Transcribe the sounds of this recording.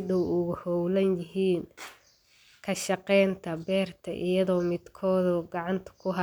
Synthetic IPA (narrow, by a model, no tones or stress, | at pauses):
d̪ʊʊɣʊhɔwlɐnjɪɦiːn | kʰɐʃɑqɛjnt̪ʰɐbɛːrt̪ʰɐʔɪ̰jɐðɔːmɪd̪kʰɔːðɔːɡɑʕɑnt̪ʰɐ̥kʰʊɦɐ